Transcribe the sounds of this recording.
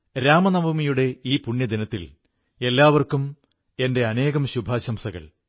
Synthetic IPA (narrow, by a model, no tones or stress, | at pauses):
ɾaːmɐnɐbʱɐmijuɽe̞iːpuɳːjɐd̪inɐt̪ːil | e̞lːaːʋɐrkum | e̞nde̞ɐne̞ːɣɐmɕubʱaːɕɐmsɐɣɐ̰ɭ